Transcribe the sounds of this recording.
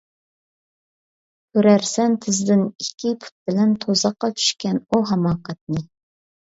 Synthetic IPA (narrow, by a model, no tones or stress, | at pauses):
køɾæɾsɛnt̪ʰɪzd̪ɪnikʲːipʰu̥t̪̚bɪlɛnt̪ʰozɑqːɑt͡ʃʰy̥ʃkʲɛnuɦɑmɑːqɑt̪̚nɨ